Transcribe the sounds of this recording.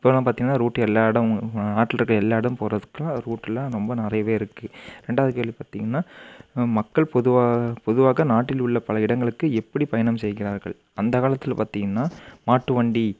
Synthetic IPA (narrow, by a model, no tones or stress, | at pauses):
ɪpːoːnaːpaːɾt̪iŋɡɐnːaːɾuːʈːɛlːaːɽɐnaːʈːɪlɐɾkɐɭɛlːaːɪɽɯmpoːrɐðɯkːɐlãːɾuːʈːɪlːãːɾɔmbɐnɪrɐjɐʋeːɪɾɯkːɯɾɛɳɖaːɐðɯkeːɭipaːɾt̪iŋɡɐnːaːmɐkːɐɭpɔðɯʋaːpɔðɯʋaːɣɐnaːʈːɪlʊɭːɐpɐlɐɪɽɐŋɡɐɭɯkːɯɛpːɐɽipɐjɐnɐmsɛjɣɪɾaːɾɣɐɭ | ɐnd̪ɐkaːlɐt̪ːɪlpa̰ːɾt̪iːŋɡɐnːaːmaːʈːɯʋɐɳɖi